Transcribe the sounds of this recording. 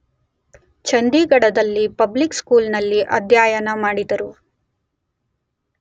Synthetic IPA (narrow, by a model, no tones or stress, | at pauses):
t͡ʃɐnd̪iɡɐɽɐd̪ɐlːipɐblikskuːlnɐlːiʔɐd̪jaːjɐnɐmaːɽid̪ɐɾu